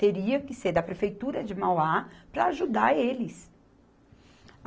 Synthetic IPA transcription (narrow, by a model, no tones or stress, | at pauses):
t̪eɾiɐkɪseɾd̪ɐpɾefejt̪uɾɐd͡ʒɪmawapɾɐːʒud̪aɾelɪs